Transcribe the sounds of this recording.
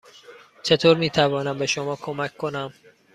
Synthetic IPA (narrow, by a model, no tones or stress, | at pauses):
t͡ʃʰe̞t̪ʰoːɾmiːt̪ʰævɒːnæmbe̞ʃo̞mɒːkʰo̞mækkʰːo̞næm